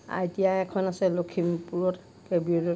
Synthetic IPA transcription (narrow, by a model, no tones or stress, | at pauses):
a̰ɹitijaɛkʰɔnasɛlokʰimpuɹɔt | kebiɔdɔ